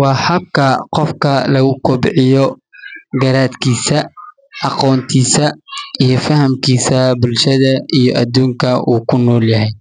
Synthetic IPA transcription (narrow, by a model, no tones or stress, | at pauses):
wɑːhɐb̚kʰɐqɔfkʰɐlɐɣʊkʰɔbʕɪjɔ | ɡɐɾaːd̪kʰiːsɐ | ʔɑqɔːnt̪ʰiːsɐʔijɞfɐhɐmkʰiːsɐbʊlʃɐðɐʔijɔʔɐ̰d̪uːŋkʰɐʔṵːkʰʊnɔːljɐɦɛj